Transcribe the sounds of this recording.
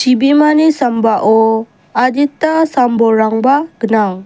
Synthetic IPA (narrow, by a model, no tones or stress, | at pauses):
t͡ʃibimanisambaʔo | ad͡ʒit̪asamboɾaŋbaɡ̥ənaŋ